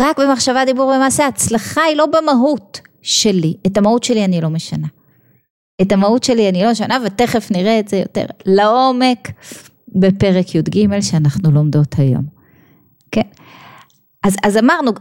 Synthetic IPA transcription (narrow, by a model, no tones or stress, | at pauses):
ʁakbe̞maχʃavad̪ibuʁbemaːseat͡slaχailo̞bemaɦut | ʃe̞liʔetamahutʃe̞lianilo̞meʃana | etamahutʃe̞lianilo̞meʃ̬anavete̞χe̞fniʁeːtzejo̞̰tḛʁlao̞me̞k | be̞pe̞ʁekjud̪ɡime̞lʃeanaχnulomdo̞thajo̞̰m | ke̞n | azazamaʁnu